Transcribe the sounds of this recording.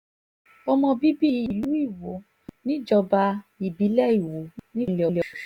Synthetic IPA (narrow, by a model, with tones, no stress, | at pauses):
ɔ˧mɔ̃˧bi˦bi˦i˨˦˨lu˨˦i˦˨wo˨˦ | nĩ˦d͡ʒɔ˧ba˧i˨bi˨˦lɛ˦i˨wo˨˦nĩ˦le˨ɔ˨˧le˨